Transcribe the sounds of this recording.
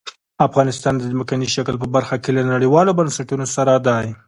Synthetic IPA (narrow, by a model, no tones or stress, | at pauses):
afɣɑnɪst̪ɑnd̪əzmakaniʃaklp̬əbaɾxakelanaɽiwɑlobansaʈunosaɾad̪ɑj